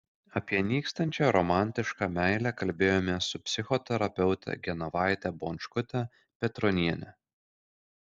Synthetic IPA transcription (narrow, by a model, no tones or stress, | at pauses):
ɐpʲiɛnʲiːkst̪ɐnʲt͡ʃʲɛɾɔmɑˑnʲt̪ʲɪʃkɑːmʲæˑɪlʲækɐlʲbʲeːjoːmʲeɛsʊpʲsʲɪxɔt̪ʲɛɾɐpʲɛʊt̪ʲɛ̰ɡʲɛnɐʋɑˑɪt̪ʲɛboːnʲʃkʊt̪ʲɛ | pʲɛt̪ɾɔnʲiɛnʲɛ̰